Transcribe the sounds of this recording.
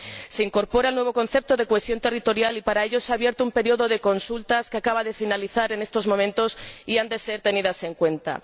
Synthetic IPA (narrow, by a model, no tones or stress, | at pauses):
se̞iŋko̞ɾpo̞ɾaelnwe̞βo̞ko̞nθe̞p̚t̪o̞ðe̞koe̞sjo̞nt̪e̞rit̪o̞ɾjalipaɾae̞ʎo̞seaβje̞ɾt̪oumpe̞ɾio̞ðo̞ðe̞ko̞nsult̪askeakaβaðe̞finaliθaɾe̞ne̞st̪o̞zmo̞mẽnt̪o̞siand̪e̞se̞ɾt̪e̞niðase̞ŋkwe̞nt̪a̰